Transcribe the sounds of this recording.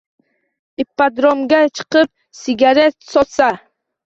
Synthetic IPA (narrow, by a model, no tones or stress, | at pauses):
ipːad̪ɾomɡʲat͡ʃʰɨ̥qɨp̚ | siɡʲaɾet̪sɔt̪sa